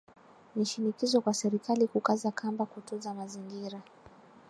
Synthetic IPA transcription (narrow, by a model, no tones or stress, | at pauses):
niʃinikizɔkwasɛɾikalikukazakʰambakutɔzamaziŋɡiɾa